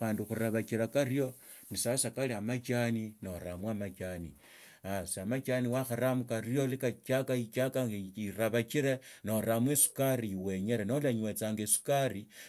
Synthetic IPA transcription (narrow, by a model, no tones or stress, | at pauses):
aːnduxuɾaβakiɾakarijo̞ | nisasakaliamat͡ʃaninoɾamwamat͡ʃanḭ | asamat͡ʃaniwaxaɾamukarjo̞likat͡ʃakait͡ʃakairaβakiɾenoɾamwesu̥kariwe̞ɲeɾenolaɲwet͡saːŋɡesu̥kari